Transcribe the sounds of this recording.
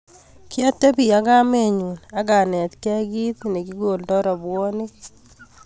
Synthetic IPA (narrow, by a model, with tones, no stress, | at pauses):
kja˦tːe˦pi˨a˦ka˦me˦˨ɲu˨na˦ɡa˨nɛ˨t̪kɛ˦ɡi˦t̪ne˨ki˦ɡo˨ldɔ˦ɾɔ˨bwo˦ni˦k̚